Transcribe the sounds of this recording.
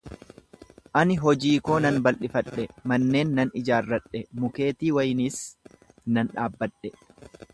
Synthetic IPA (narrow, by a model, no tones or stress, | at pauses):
ʔɐnɪɦɔd͡ʒiːko̞ːnɐnbɐlʔɪfɐᶑɛmɐnːe̞ːnːɐnɪd͡ʒaːrːɐᶑɛmʊke̞ːt̪iːwɐjɪniːs | nɐnᶑaːbːɐᶑːɛ